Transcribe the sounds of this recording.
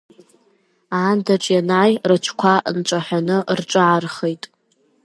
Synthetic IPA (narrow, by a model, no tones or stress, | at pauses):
aːndaʈ͡ʂʼjanajrɨt͡ʃʷʰkʷʰaʔnʈ͡ʂʷʼaħʷᶣanɨrʈ͡ʂʷʼaarχejtʼ